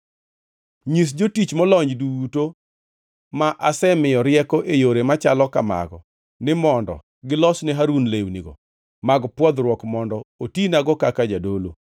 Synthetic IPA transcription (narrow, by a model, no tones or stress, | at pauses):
ɲis̬d͡ʒotit͡ʃmɔlɔɲd͡ʒduto | maʔasɛmɪjɔɾɪɛkɔʔejoɾemat͡ʃalɔkama̰ɡɔ̰ | nɪmɔndɔ̰ | ɡɪlɔsnɛɦaɾunlewniɡɔ̰ | maɡpwɔd̪ɾwɔkmɔndɔotinaɡɔkakad͡ʒadolo